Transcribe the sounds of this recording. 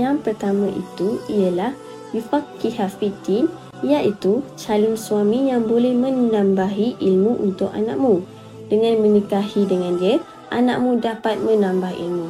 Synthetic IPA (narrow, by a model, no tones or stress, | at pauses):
jaŋpərt̪amãʔḭt̪uialah | jufakːiɦafit̪in | jaʔit̪ut͡ʃalɪmsuamijaŋbolɛhmə̃nnãmbaɦiʔilmuʔṵnt̪ʊk̚a̰na̰ʔk̚mũ | dəŋãnmə̃nikahidəŋãndiə | ʔana̰ʔ̚mũdapat̪̚mə̃nãmbaɦḭlmũ